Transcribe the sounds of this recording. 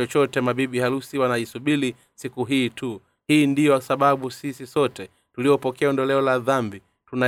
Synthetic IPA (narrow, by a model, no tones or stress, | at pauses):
ɔt͡ʃɔtɛmaɓiɓihalusiwanaisuɓili | sikuɦiːtu | hiːndijɔsaɓaɓusisisɔtɛ | tuliɔpɔkɛaɔndɔlɛɔlaðambi | tuna